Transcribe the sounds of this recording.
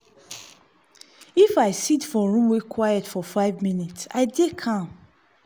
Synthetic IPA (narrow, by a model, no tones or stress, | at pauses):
ifaɪsitfɔɹũmwekʰwajɛtfɔfaɪvmĩnitsa̰ɪdekʰãm